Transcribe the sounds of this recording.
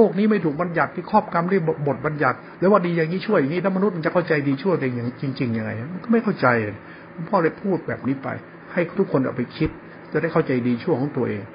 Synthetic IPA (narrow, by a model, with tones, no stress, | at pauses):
loː˥˩k̚niː˦˥ma˥˩jt̪ʰuː˨˩k̚ba˧nja˨˩t̪ʰːiː˧˥˩kʰɔː˥˩p̚ka˧mɾɯ˥˩ə˨˧bo˨˩t̪̚ba˧nja˨˩t̪̚lɛː˦˥waː˥˩diː˧ja˨˩ŋːiː˦˥t͡ɕʰu˥˩ja˨˩ŋːiː˦˥˩lʰɛ˦˥ma˧nu˦˥t̪̚ma˧nt͡ɕa˨˩kʰwt͡ɕa˧jdiː˧t͡ɕʰu˥˩t̪ɛ˨˩˧ŋt͡ɕi˧ŋt͡ɕi˧ŋja˧ŋːa˧jʔa˧˩ma˧nkɔː˥˩ma˥˩jkʰa˥˩wt͡ɕa˧ja˨ | a˧˦npʰɔː˥˩le˧˩pʰuː˥˩t̪̚bɛː˨˩p̚niː˦˥pa̰˧j | ha˥˩jt̪ʰu˦˥kʰːo˧nka̰˨˩pa˧jkʰi˦˥t̪̚ | t͡ɕa˨˩da˥˩jkʰa˥˩wt͡ɕa˧jdiː˧t͡ɕʰu˥˩əjkʰɔ˨˦˥ŋt̪u˧ɐʔeː˧ŋ